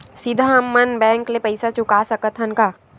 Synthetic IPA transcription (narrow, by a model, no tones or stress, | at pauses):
sɪd̪ʱamːənbɛ̃ːŋklepɐɪsat͡ʃʊkaːsɐkət̪ʰənkaː